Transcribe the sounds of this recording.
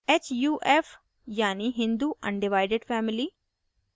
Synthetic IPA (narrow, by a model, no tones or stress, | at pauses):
eːt͡ʃjuːʔef | jaːniɦɪ̃nd̪uɐ̰̃ɳɖɪʋaːɪɖeɖfʰɛːmɪli